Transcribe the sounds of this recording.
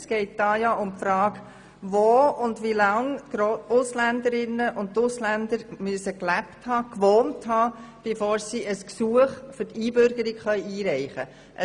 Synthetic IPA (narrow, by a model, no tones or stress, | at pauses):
sɡ̥ɛɪt̚d̥ɑːjɑʔʊmpfɾɑːɡ | ʋoʊndʋilɑŋɾoʊslændəɾɪnːəʔʊnttʊslændəɾmyəsəklæpthɑːkʋoːnthɑːb̥efoːɾsiʔəsksuəχfʏɾtiːbʏɾɡəɾɪkχœʏʔiːɾɛɪχə | ʔə